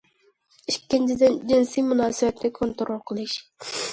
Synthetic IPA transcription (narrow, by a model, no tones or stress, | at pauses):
ikʲːɪnt͡ʃʰɪd̪ɪnd͡ʒinsijmunɑːsɪbɛt̪nʲɪkʰont̪oɾolˠqʰəlˠɨʃ